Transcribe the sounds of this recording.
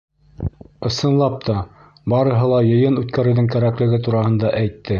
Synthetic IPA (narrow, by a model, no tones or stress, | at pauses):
ɤ̆sɤ̆nlˠɑp̚t̪ʰɑ | bɑɾɤ̆ɦɤ̆lˠɑjɤ̆jɤnʉt̪kæɾɘ̆wðɘŋkæɾæklɘ̆ɡɘt̪̬uɾɑhɤ̆nd̪ɑʔæjt̪ːɘ